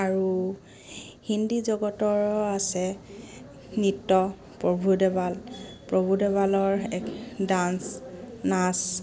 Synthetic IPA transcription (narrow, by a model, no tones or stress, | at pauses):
aɹu | hindizɔɡɔtɔɹasɛ | nitːɔ | pɹɔbʱudɛbalpɹobʱudɛβalɔɹɛkdansnas